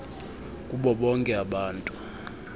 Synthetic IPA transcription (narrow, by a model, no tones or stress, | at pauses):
kʼuɓɔɓɔŋkʼɛaɓaːntʼu